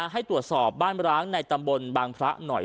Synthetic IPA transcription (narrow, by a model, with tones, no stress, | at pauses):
ɦa˥˩jt̪ɾu˨˩ət̪sɔː˨˩p̚baː˥˩nɾaː˦˥ŋna˧jt̪a˧mbo˧nbaː˧ŋpʰɾa˦˥nɔ˨˩